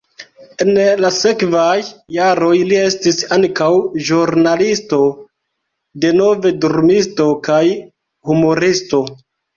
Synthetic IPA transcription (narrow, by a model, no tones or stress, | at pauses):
e̞nlase̞kvajːaɾo̞jlie̞stisaŋkawʒuɾnalisto̞ | de̞no̞ve̞doɾmisto̞kaj | humo̞ɾisto̞